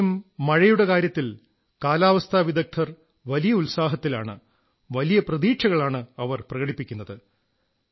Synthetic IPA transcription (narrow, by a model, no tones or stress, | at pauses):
umːɐɻɐjuɽe̞kaːɾjɐt̪ːil | kaːlaːʋɐst̪ʰaːʋid̪ɐk̚t̪ʰːɐr | ʋɐlijɐulsaːɦɐt̪ːilaːɳɨ̰ | ʋɐlijɐprɐðiːʈʂʰɐɣɐɭaːɳɨɐʋɐrprɐɣɐɽipːikʲːunːɐðɨ